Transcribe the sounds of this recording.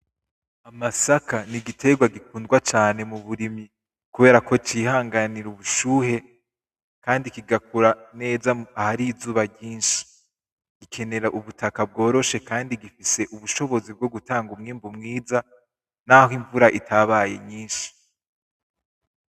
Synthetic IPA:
amasakaniɡitʰe̞ɡwaɡikuːndɡwat͡ʃaːne̞muβuɾimi | kuβe̞ːɾako̞t͡ʃihaːŋɡaniɾuβuʃuːhe̞ | kaːndikiɡakuɾane̞ːzaahaɾizuːβaɟiːnʃi̥ | ɡ̥ikʰe̞ne̞ɾaʔuβutakab̚ɡo̞ːɾo̞ʃe̞kaːndiɡifise̞ʔuβuʃo̞βo̞zib̚ɡo̞ɡutaːŋɡumŋiːmbumŋiːza | nahiɱvuɾaʔitʰaβaje̞̰ɲiːnʃi̥

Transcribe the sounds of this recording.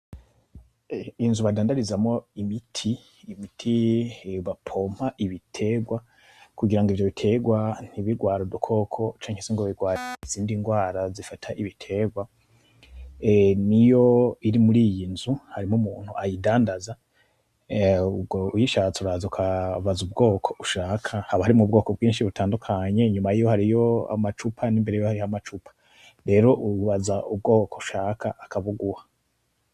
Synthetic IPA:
inzuβadaːndaɾizamo̞imitʰiː | mitʰiβapʰo̞m̥haʔiβitʰe̞ɡwa | kuɡiɾaŋɡivjoβitʰe̞ɡwan̥iβiɡwaːɾudukʰo̞kʰo̞t͡ʃaːŋheseŋɡoβiɡwaːɾz̥iːndiŋɡwaːɾazifatʰaʔiβitʰe̞ɡwa | nijo̞iɾimuɾiːjinzuhaɾimumuːn̥huʔajidaːndaza | ɡojiʃaːt͡suɾaːzukʰaβazubɡo̞ːkʰo̞̥ʔuʃaːkʰahaβahaɾimŋubɡo̞ːko̞bɡiːnʃiβutaːndukʰaɲe̞ɲumajijo̞haɾijo̞a̰mat͡ʃupʰanimbeɾejohaɾijamat͡ʃupʰḁ | ɾe̞ːɾo̞ʔuβazaʔub̚ɡo̞ːkouʃaːkʰaʔːkʰaβuɡuha

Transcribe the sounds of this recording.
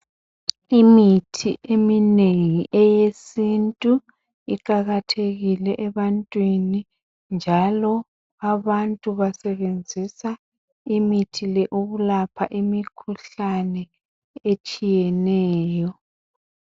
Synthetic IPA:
imitʰiʔemineŋiʔɛjesintʼu | ikaɣatʰeɣilɛʔɛβantʼwini | nd͡ʒʱalɔ | aβantʼuβasɛβend͡zʱisa | imitʰilɛʔuβulapʰaʔimikʰuɬanɛ | et͡ʃʼijɛnɛːjɔ

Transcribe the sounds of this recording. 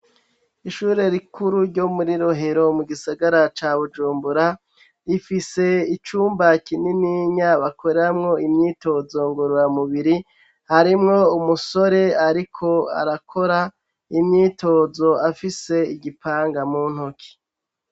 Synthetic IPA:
iʃuːɾe̞ɾikuɾuɾɟo̞muɾiɾoɦeɾo̞muɡisaɡaɾat͡ʃaβud͡ʒuːmbuɾa | ifise̞it͡ʃuːmbakininiɲaβakʰo̞ɾeɾamŋo̞imɲiːto̞zo̞ŋɡoɾuɾamuβiɾi | haɾimŋo̞umuso̞ɾe̞aɾikʰo̞a̰ɾakʰo̞ɾa | imɲiːtʰo̞ːzo̞afise̞iɡipʰaːŋɡamuːn̥hokʰi̥

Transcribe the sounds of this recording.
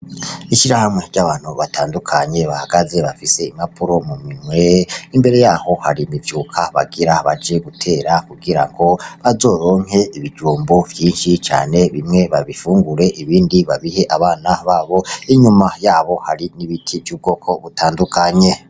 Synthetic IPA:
iʃiɾahamŋe̞ɾɟaβaːn̥huβatʰaːndukʰaɲe̞βahaɡaze̞βafise̞imapʰuɾo̞mumimweimbe̞ɾe̞jaːho̞haɾimivjuːkʰaβa̰ɡiɾaβad͡ʒe̞ɡutʰe̞ːɾakuɡiɾa̰ŋɡo̞βazo̞ːɾo̞ːŋ̥he̞iβid͡ʒuːmbovjiːnʃit͡ʃa̰ːne̞βimŋe̞βaβifuːŋɡuɾe̞ʔiβiːndiβaβihe̞ʔaβaːnaβaːβo̞iɲumajaːβo̞haɾiniβitʰivjuːβ̚ɡo̞ːkʰo̞βutʰaːndukʰaɲe̞

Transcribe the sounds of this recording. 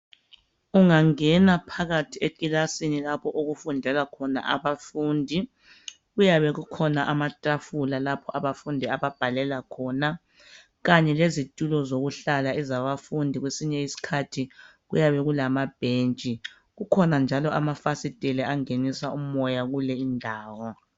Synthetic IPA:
uŋaŋɛnapʰaɣatʰiekʼilasinilapʰɔʔoɣufundʱɛlakʰɔna̰ʔaβafuːndʱi | ɣujaβɛɣukʰɔnaʔamatʼafulalapʰɔʔaβafundʱiaβab̥ʱalɛlakʰɔna | ɣaɲɛlezitʼulɔzoɣuɬalaɛzaβafundʱiɣwesiɲɛisi̥kʰatʰiɣujaβɛɣulamab̥ʱent͡ʃʼi | ɣukʰɔnand͡ʒʱalɔʔamafasitʼɛlɛaŋenisaumɔjaɣulɛindʱaːwɔ

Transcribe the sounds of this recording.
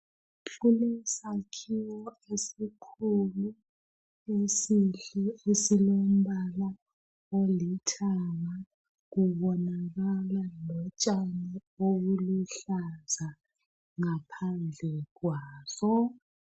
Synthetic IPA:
pʰulisakʰiwɔ | esikʰulu | esiɬɛesilom̩ɓala | olitʰaŋa | ɣuβɔnaɣalalɔt͡ʃʼanioɣuluɬaza | ŋapʰand͡ɮʱɛɣwaːsɔ

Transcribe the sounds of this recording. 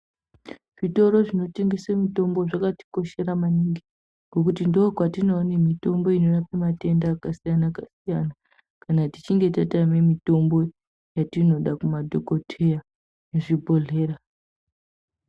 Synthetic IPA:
ʐito̞ɾo̞ʐino̞te̞ŋɡe̞samito̞mbo̞ʐakati̥ko̞ʃe̞ɾamaniŋɡi | ŋɡo̞kutindoːkwatinonemito̞mbo̞ino̞ɗapemate̞ndaːkasijanakasijana | kanatit͡ʃiŋɡe̞tatame̞mito̞mbo̞ | jatino̞ɗakumadʱoko̞tʰeja | neʐibʱo̞ɮe̞ːra

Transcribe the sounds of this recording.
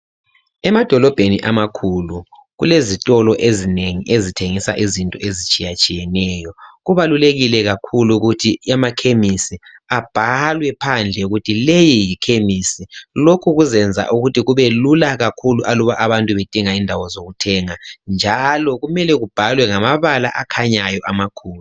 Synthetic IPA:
ɛmad̥ʱɔlɔb̥ʱeniʔamakʰulu | ɣulezitʼɔlɔʔezineŋiʔezitʰeŋisa̰ʔizintʼɔezit͡ʃʼijat͡ʃʼijɛnɛːjɔɣuβaluleɣilɛɣakʰuluɣutʰiamakʰemisiab̥ʱalwɛpʰand͡ɮʱɛuɣutʰilejijikʰemisilokʰuɣuzɛnd͡zʱa̰ʔuɣutʰiɣuβelulaɣakʰuluʔaluβaʔaβantʼuβed̥ʼʱiŋaindʱawɔzoɣutʰɛːŋand͡ʒʱalɔɣumɛlɛɣub̥ʱalwɛŋamaβala̰ʔakʰaɲajɔʔamakʰuːl

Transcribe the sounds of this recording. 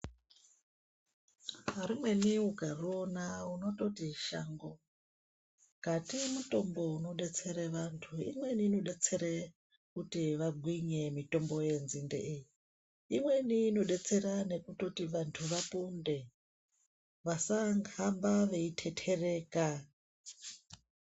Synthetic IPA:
aɾumwe̞niuɡʱaruonauno̞to̞tiʃa̰ŋɡo | ɡ̥ʱatimuto̞mbo̞uno̞ɗet͡seɾeʋantʰuḭmwe̞niːno̞ɗet͡se̞ɾe | kutiʋaɡʱwiɲe̞mito̞mbo̞jenzindḛʔeji | imwe̞niːno̞ɗet͡se̞ɾane̞kuto̞tiʋantʰuʋapunde̞ | ʋasaŋɡambaʋe̞itʰetʰereːka

